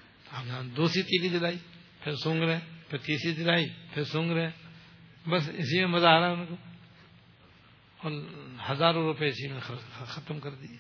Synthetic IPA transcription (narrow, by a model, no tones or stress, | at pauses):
t̪aːmãd̪uːsɾit̪iːlid͡ʒɪlaːi | pʰɪɾsʊ̃ŋɡɾɛɛ̃pʰɪɾt̪iːsid͡ʒɪlaːipʰɪɾsʊ̃ːŋɡɾeɛ̃ | bɐsɪ̰simẽmɐzaːɾaɛʊnko | ɔːɾhɐzaːɾõɾʊpeɪsimẽxɐt̪əmkɐɾd̪i